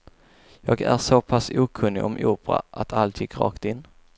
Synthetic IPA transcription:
jɑːɡæ̰ɾʂopʰasuːkʰɵnːɪ̰ʔɔmʔuːpɾa̰ʔat̪ʰalt̪ʰɪːɡɾɑ̰ːkt̪ɪnː

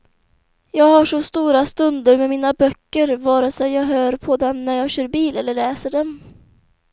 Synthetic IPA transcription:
jɑːɡhaʂɔst̪uːɾast̪ɵnd̪əɾmɛmiːnabœkːəɾvɑːɾasɛjɑːɡɦøːɾpʰɔd̪ɛmnæɾjɑːɡɕœːɾbiːlɛlːəɭɛːsəɖɛm

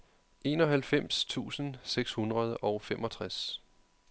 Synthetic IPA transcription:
e̝ːnɒ̽ɦælfem̰st͡sʰṵːsən̩seɡ̥shunʁɐð̞ˠəʔɒ̽ʊfemʔɒ̽t͡sʰʁas

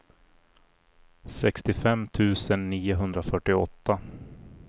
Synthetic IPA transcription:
sɛkst̪ɪfɛmːt̪ʰʉ̟ːsənːiːʊɦɵnd̪ɾafœʈːɪɔt̪ːa

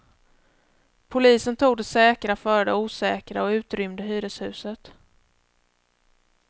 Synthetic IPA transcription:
pʰʊliːsənt̪ʰuːɡ̚d̪ɛsɛːkɾafœːɾɖɛuːsɛːkɾaɔʉ̟ːt̪ɾʏmd̪əɦyːɾəshʉ̟ːsət̪

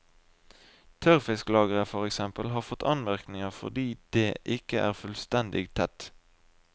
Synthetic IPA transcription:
t̪ʰœʁfɪsklɑːɡəʁəfɔʁɛksɛmpəlɦɑːʁfɔt̪ːʰɑnmæʁknɪŋəʁfɔ̰ʁd̪iːd̪̥eːʔɪkəʔæ̰ːʁfʉlst̪ɛnd̪ɪ̰ɡt̪ʰɛt̪

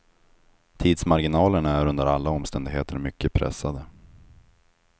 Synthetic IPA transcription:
t̪ʰiːd̪smaɾɡɪnɑːləɳaæɾɵnd̪əɾalːaɔmst̪ɛnd̪ɪɡɦeːt̪ʰəɾmʏkːəpʰɾɛ̰sːad̪ə

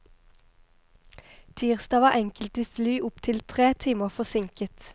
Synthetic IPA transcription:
t̪ʰiːʁsd̪ɑːʋɑːʔɛŋkəlt̪iːflyːʔʊpt̪ʰɪlt̪ʰʁeːt̪ʰiːməʁfɔsɪŋkət̪

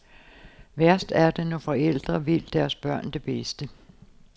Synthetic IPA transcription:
ʋæɐ̰sd̥æɐd̥enɒfɒ̽el̰d̥ʁɐʋe̝l̰d̥æɐsb̥ɶɐ̰nd̥e̝b̥esd̥ə

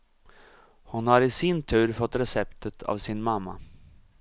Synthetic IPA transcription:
hʊnhaɾɪsɪnt̪ʰʉ̟ːɾfɔt̪ːɾɛsɛpt̪ʰət̪ʰa̰vsɪnmamːa̰

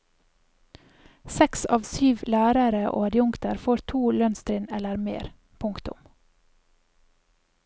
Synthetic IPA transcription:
sɛksɑ̰ːʋsyːʋlæːɾəɾəʔo̰ːɑɾjʊŋkt̪əɾfoːɾt̪ʰuːlœnst̪ɾɪnɛləɾmḛːɾ | pʰʊŋkt̪ʊ̰m

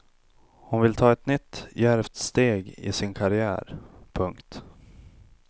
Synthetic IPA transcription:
hʊnvɪlt̪ʰɑːɛt̪nʏt̪ːjæɾvt̪st̪eːɡɪ̰sɪnkʰaɾɪæ̰ːɾpʰɵŋkt̪

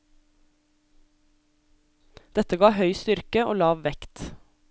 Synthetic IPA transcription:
d̪̥ɛt̪əɡɑːhœʏst̪ʏɾkəʔo̰ːlɑːʋʋɛkt̪

